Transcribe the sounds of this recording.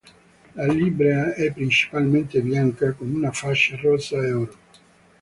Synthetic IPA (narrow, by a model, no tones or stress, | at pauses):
lalibɾeaɛpːɾint͡ʃi̥palment̪ebjaŋkakomunafaʃːarɔsːaeɔɾo